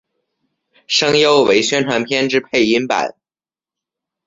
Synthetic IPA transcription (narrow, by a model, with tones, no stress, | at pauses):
ʂɤ˥ŋjo˥ʊwe˧˥ɪɕɥɛ˥nʈ͡ʂʰwa˧˥npʰjɛ˥nʈ͡ʂɻ̩˥pʰe˥˩ɪi˥npa̰˨˩˦n